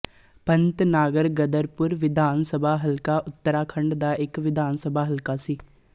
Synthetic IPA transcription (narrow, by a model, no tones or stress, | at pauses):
pənt̪naːɡəɾɡəd̪əɾpʊɾʋɪd̪ʱaːnsəbʱaːɦəlkaːʔʊt̪ːəɾaːkʰəɳɖd̪aːʔɪkʋɪd̪ʱaːnsəbʱaːɦəlkaːsiː